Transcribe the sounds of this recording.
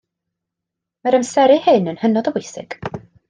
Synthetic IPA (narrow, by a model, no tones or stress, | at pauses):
mɛɾəmsɛɾɨhɨnənhənɔdəvʊjsɪ̰ɡ̥